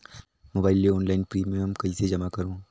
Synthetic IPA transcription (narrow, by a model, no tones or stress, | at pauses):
moːbaːɪleɔːnlaːɪnpɾiːmẽɦɐmkɐɦised͡ʒɐmakɐɾõː